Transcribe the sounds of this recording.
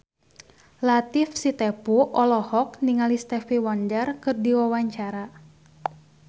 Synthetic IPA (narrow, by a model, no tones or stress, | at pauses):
lat̪ifsit̪ɛpuʔɔlɔhɔk̚niŋalist̪ɛfiwɔndərkɨrdiwawaɲt͡ʃaɾa